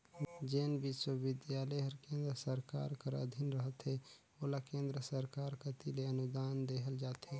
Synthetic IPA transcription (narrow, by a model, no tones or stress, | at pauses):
d͡ʒeːnʋɪʃwəʋɪd̪jaːləɦəɾkẽːnd̪ɾəsəɾka̰ːɾkəɾə̰d̪ʱinɾəɦət̪ɦe | oːlakẽːnd̪ɾəsəɾkaːɾkat̪ileənʊd̪aːnd̪eːɦəld͡ʒaːt̪ɦeː